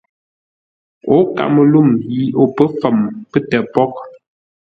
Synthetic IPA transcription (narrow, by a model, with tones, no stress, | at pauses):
o˨˦ka̰˨mə˨lu˦˨mji˨o˨pə˦fə˨mpə˦tə˨pɔ˦k̚